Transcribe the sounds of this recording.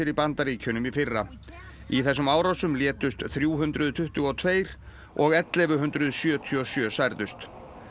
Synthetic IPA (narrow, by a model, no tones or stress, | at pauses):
ɪɾipant̪aɾiːcʰœnʏmifɪrːa | iθɛsːʏmaːwɾawsʏmljɛːt̪ʏst̪θɾjuːɦʏnt̪ɾʏðt̪ʰʏht̪ʏɣɔt̪ʰveːjɾ̥ | ʔɔɣɛt̪lɛvʏɦʏnt̪ɾʏðsjœːt̪ʰiɔsjœːsajɾðʏst̪